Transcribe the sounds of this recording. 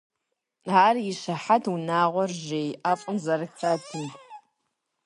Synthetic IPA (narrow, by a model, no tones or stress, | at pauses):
aːriʃaħatʰunaːʁʷɔrʒejaːfʼəmzɐrɨkt͡sʰatʰɨnʼ